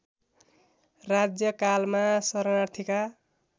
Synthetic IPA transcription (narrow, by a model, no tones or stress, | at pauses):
rad͡zjʌkalmasʌɾʌnart̪ʰika